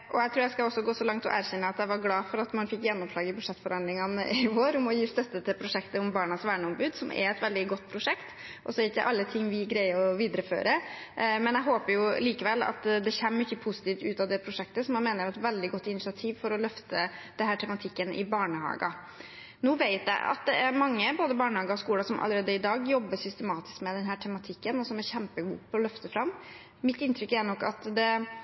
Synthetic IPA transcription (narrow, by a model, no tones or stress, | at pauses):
ʔɔæɪt̪ʰɾuːɾjæɪskɑɔsːɔɡoːsɔlɑŋt̪ʰlɔ̰ʔæːɾçɛnːəɑt̪jæɪʋɑɾɡlɑːfɔɾɑt̪mɑnfɪkːjɛnːɔmʂlɑːɡɪbʉd̪ʂɛt̪ːfɔɾhɑnd̪lɪŋɑnəɪʋoːɾʊmɔjiːst̪œt̪ːət̪ʰɛpʰɾʊʂɛkt̪əʊmbɑːɳɑsʋæːɳəʊmbʉːd̪sɔmʔɛ̰ɾɛt̪ʋɛld̪ɪɡɔt̪ːpʰɾʊʂɛkt̪ | ʔɔsɔɾɪkəjæɪʔɑlːət̪ʰɪŋːʋɪɡɾæɪəɔʋiːd̪əɾəfø̰ːɾə | mɛnjæɪɦoːpəɾjʊliːkəʋɛlːɑ̰t̪d̪ɛçɛmːɪçːəpʰʊsɪ̥t̪iːft̪ʉːt̪ɑʋd̪ɛpʰɾʊʂɛk̚t̪əsɔmɛmeːnəɾɛt̪ʋɛld̪ɪɡɔt̪ːɪnɪsɪɑt̪ʰiːʋfɔɾɔlœft̪ʰəd̪̥ɛnɦæːʈʰɛmɑt̪ʰɪkːənʔɪ̰bɑːɳəhɑ̰ːɡɑ̰ | nuːʋæɪt̪jæ̰ɪʔɑ̰t̪̚d̪ɛæɾmɑŋːəboːd̪əbɑːɳəhɑːɡəɔskuːlɑsɔmʔɑ̰ləɾeːd̪əɪd̪ɑːɡjɔbːəʂʏst̪əmɑːt̪ɪ̥skmɛd̪ɛnɦæːʈʰɛmɑt̪ʰɪkːənɔsɔmæɾçæmpəɡṵːpʰɔɔlœft̪əfɾɑmː | mɪt̪ːɪnt̪ɾʏkːænɔkːɑt̪d̪ɛ